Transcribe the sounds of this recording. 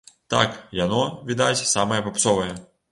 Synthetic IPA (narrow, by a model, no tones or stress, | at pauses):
t̪ɑ̰kjanɔʋʲid̪at͡sʲsɑmɐjɛpɐpsɔʋɐjɛ